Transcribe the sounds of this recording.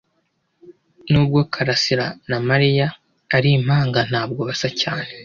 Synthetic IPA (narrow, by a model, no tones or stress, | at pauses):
nuːb̚ɡo̞kʰaɾasiɾanamaɾijaː | ɾim̥haːŋɡan̥haːbɡo̞βasacaːne